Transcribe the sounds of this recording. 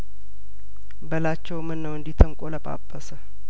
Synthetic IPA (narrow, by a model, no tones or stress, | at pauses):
bəlat͡ʃːɛwmɨnːəwɨnd̪it̪ʰəŋkʼoləpʼa̰bʼːəsə